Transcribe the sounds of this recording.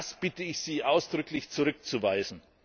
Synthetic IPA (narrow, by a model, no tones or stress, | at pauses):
sb̥ɪtəɪçz̥iːʔaʊsd̥ʁʏklɪçt͡suʁʏk̚t͡suvaɪzn̩